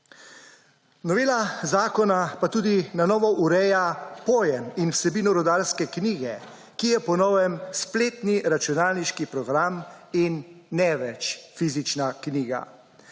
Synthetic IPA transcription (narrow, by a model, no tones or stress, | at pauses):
nɔʋeːlazaːkɔnapat̪uːd̪inanɔːʋɔʔuɾɛjapoːjɛminwsɛbiːnɔɾɔd̪aɾskɛkniːɡɛ | kijɛpɔnɔːʋɛmspleːt̪niɾat͡ʃunaːlniʃkipɾɔɡɾaminːɛʋɛt͡ʃfizit͡ʃnakniːɡa̰